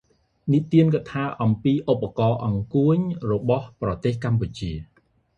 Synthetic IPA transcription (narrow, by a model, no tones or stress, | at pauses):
nit̪iənk̬at̪ʰaːʔɑmpiːʔopːakɑːʔɑŋkuəɲrɔɓɑhprɑt̪eːhkamput͡ɕiə